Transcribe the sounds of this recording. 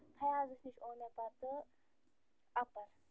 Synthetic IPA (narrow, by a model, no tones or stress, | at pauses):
t̪ʰɐjaːzɨʃniʃoːnepɐɾt̪ɨ | ɐpɐɾ